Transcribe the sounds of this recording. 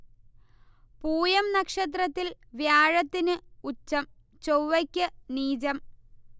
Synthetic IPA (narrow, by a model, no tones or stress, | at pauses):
puːjɐmnɐkʂɐt̪̬rɐt̪ːilʋjaːɻɐt̪ːinɨut͡ɕːɐm | t͡ɕowʋɐkʲːɨniːd͡ʑɐm